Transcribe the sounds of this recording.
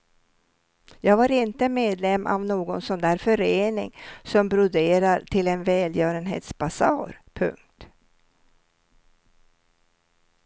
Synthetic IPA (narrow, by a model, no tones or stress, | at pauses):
jɑːɡvaɾɪnt̪əmeːd̪lɛmːʔa̰vnoːɡɔnsɔnd̪æːɾfœɾeːnɪŋsɔmbɾʊd̪eːɾaɾʈʰɪlɛnvɛːljœːɾənɦḛːt̪sbasɑ̰ːɾpʰɵ̰ŋk̚t̪